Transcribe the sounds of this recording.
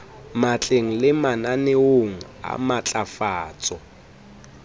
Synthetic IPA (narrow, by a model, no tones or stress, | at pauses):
mat͡ɬʼeŋ̩lɪmananɪoŋ̩ | a̰mat͡ɬʼafaːt͡sʼɔ